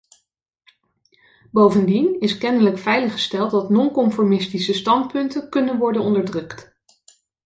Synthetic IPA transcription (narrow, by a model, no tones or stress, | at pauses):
bowvəndinɪskɛnələkfɛjləχə̥stɛlˠt̚dɑtnɔnkɔmfɔɹmɪstisəstɑntpɵntəkɵnənʋɔɹdənɔndəɹdrɵkt